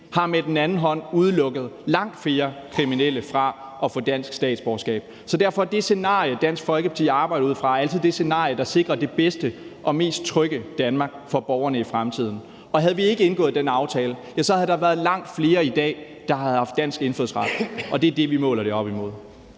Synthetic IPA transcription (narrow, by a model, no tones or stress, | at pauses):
hɑ̈med̥en̩ænn̩ɦɒ̽n̰uð̞ˠlɔ̽ɡ̥əð̩ˠlɑ̈ŋ̰d̥fle̝ːɐkʰʁiminel̰əfʁɑ̈ɒ̽fɔ̰̽d̥æn̰sɡ̥sd̥ɛ̰ːd̥sb̥ɒːsɡ̥ɛ̰ːb̥̚ | sɒ̽d̥æɐfɒ̽d̥e̝se̝nɑ̰̈ːjəd̥æn̰sɡ̥fɒ̽lɡ̥əpʰɑ̥t͡sʰḭːɑ̈ːb̥ɑ̈ɪ̰ɾɐuð̰ˠfʁɑ̈æl̰t͡sʰið̰ˠd̥e̝se̝nɑ̰̈ːjəd̥ɑ̈se̝ɡ̥ʁɐd̥e̝b̥esd̥əʔɒ̽me̝̰ːsd̥̚t͡sʰʁœɡ̥əd̥ænmɑ̈ɡ̥fɒ̽b̥ɒʊɐnəifʁamt͡sʰið̞̰ˠn̩ | ɒ̽ɦæð̞̩ˠʋie̝ɡ̥əe̝nɡ̥ɔ̽ðˠd̥enɑ̈ʊt͡sʰɛːləjæsɒ̽hæðˠd̥ɑ̈ʋæːɐð̞ˠlɑ̈ŋ̰d̥fle̝ːɐid̥ɛ̰ː | d̥ɑ̈hð̩ˠhɑ̈fd̥æn̰sɡ̥e̝nføð̩̰ˠsʁɑd̥ʔɒ̽de̝ɐd̥e̝ʋimɔ̰̽ːlɐɾ̥e̝ɒ̽b̥imo̝ð̞̰ˠ